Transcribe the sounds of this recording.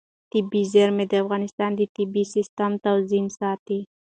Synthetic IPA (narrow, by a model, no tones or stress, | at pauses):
t̪ɪbizaɾmed̪əafɣɑnɪst̪ɑnd̪ət̪ibisɪst̪amt̪awzimsɑt̪i